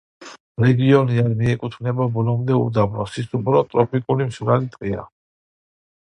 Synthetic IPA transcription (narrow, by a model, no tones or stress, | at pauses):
ɾɛɡiɔniaɾmiɛkʼut̪ʰmnɛbabɔlˠɔmd̪ɛṵd̪abɾɔsisupʰɾɔt̪ʼɾɔpʰikʼulimʃvɾalit̪ʼqʼia̰